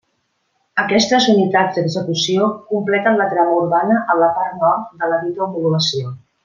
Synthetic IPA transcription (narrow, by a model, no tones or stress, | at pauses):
əkɛst̪əzunit̪ad͡zd̪əzəkusiokumplɛt̪ənlət̪ɾaməuɾβanəʔəmləpart̪nɔɾt̪̚d̪ələβit̪opuluəsio